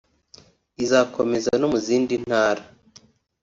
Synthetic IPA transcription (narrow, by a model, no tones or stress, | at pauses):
izakʰome̞zanomuziːndin̥haːɾa